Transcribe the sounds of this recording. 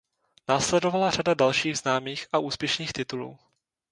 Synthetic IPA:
naːslɛdo̞valaradadalʃiːɣznaːmiːxʔaʔuːspjɛʃniːxt̪ɪt̪ulṵː

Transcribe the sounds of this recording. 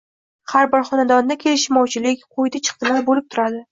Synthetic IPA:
haɾbɒɾχɒnad̪ɒnd̪akʲʰe̞lɪʃɪmɒwt͡ʃʰɪlɪkʲqʰojd̪at͡ʃʰɨ̥q̚t̪ʰɪlaɾbolɪp̚t̪ʰʊɾad̪ɪ

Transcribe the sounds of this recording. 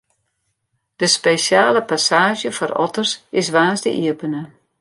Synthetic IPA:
d̥əspeːsjaːləpasaːʒjəfɔrɔ̰tərsɪs̬ʋaːzdə̰ʔiəpənə

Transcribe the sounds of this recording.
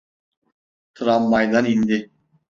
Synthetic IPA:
t̪ʰɾɑmːɑjd̪ɑnind̪ɪ

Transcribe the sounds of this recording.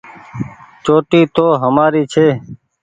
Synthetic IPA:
t͡ʃoːʈiːt̪oːɦəmaːɾiːt͡ʃʰeː

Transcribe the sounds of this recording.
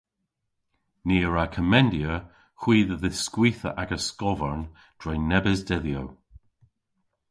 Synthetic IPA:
niːəɹakʰəmɛndjə | xwiːðəðɪskwiːθə̰ʔaɡəskɔvəɹn | d̥ɹɛjnɛbɪzdɛðjow

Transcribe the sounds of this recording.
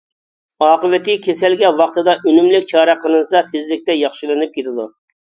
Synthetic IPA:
ɑːqəvɛt̪ɪkʲʰesɛlɡʲɛwɑqt̪ɨd̪ɑʔønymlɪkʲt͡ʃʰɑːɾɛqʰəlˠɨnɨsɑt̪ʰezlɪk̚ʲt̪ɛjɑχʃilˠɨnɨp̚kʲʰet̪ʰɪd̪u

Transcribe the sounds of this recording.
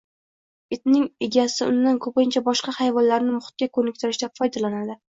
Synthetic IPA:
et̪nɪŋeɡʲasɪʊ̰nːankʰɵpɪnt͡ʃʰabɒʃqɑhajvɒnlaɾnɪmʊχʊ̥t̪̚kʲakʰɵnɪkʲt̪ɪɾɪʃd̪afɒjd̪alanad̪ɪ

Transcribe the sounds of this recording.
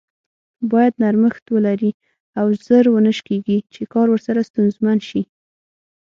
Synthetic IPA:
bɑjad̪naɾməxt̪wəlaɾi | awzəɾwənəʃkeɡit͡ʃekɑɾwəɾsaɾast̪unzmanʃi

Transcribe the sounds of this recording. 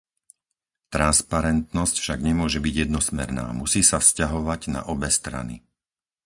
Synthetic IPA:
t̪ɾanspaɾɛnt̪nɔscfʃaɡɲɛmʊɔʒɛbiɟjɛd̪nɔsmɛɾna̰ːmusiːsafscaɦɔʋaɟna̰ʔɔbɛst̪ɾa̰nḭ

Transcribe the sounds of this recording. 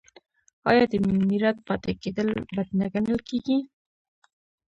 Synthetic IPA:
ɑjɑd̪əmiɾat̪̚pɑt̪eked̪əlbad̪naɡanəlkeɡi

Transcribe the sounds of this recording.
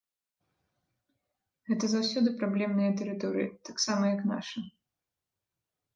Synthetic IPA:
ɣɛt̪ɐzawsʲɔd̪ɨpɾablʲɛmnɨjɐt̪ɛɾɨt̪ɔɾɨ̰jḭt̪aksamɐjɐkna̰ʂɐ

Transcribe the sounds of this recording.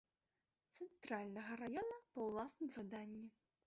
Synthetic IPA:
t̪sɛnt̪ɾalʲnɐɣɐɾajɔnɐpɐwlˠasnɨmzad̪anʲːi

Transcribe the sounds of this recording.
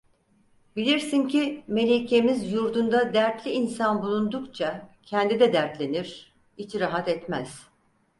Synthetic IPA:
bilʲiɾsincʰime̞lʲecʰemizjuɾd̪und̪ad̪æɾt̪lʲiːnsanbulˠund̪ukt͡ʃʰacʰɛnd̪id̪ɛd̪æɾt̪lʲe̞niɾ̥ | it͡ʃʰiɾaɦat̪ɛt̪mæz̥

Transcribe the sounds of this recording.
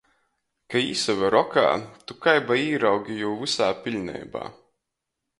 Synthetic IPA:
kaḭːsavaɾɔka̰ːt̪ukajbaiːɾawɡʲijuwvɨsaːpʲilʲnɛ̰jba̰ː

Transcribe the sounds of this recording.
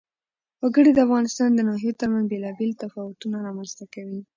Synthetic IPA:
waɡəɽid̪əafɣɑnɪst̪ɑnd̪ənɑɦijot̪əɾmanzbelɑbelt̪afɑwʊt̪unaɾɑmanz̥t̪akawi

